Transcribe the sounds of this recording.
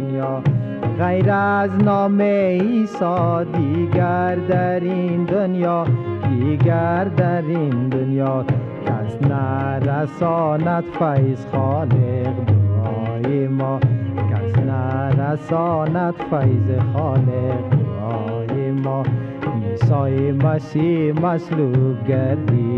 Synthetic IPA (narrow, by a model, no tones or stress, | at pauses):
jɔ | ɣajɾaznɔmeisɔd̪iɡaɾd̪aɾind̪onjɔ | d̪iɡaɾd̪aɾind̪ʊnjɔ | kʰasnaɾasɔnat̪fajzxɔleqd̪ʊɾɔjemɔkasnaɾasɔnat̪fajzexɔleqd̪ʊɾɔjemɔ | isɔjemaʃimaʃlub̚ɡaɾd̪i